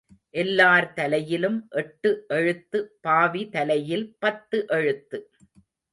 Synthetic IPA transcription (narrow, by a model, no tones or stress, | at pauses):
ʔɛlːaːɾt̪ɐlɐjɪlɯmʔɛʈːɯʔɛɻɯt̪ːɯpaːʋit̪ɐlɐjɪlpɐt̪ːɯʔɛɻɯt̪ːɯ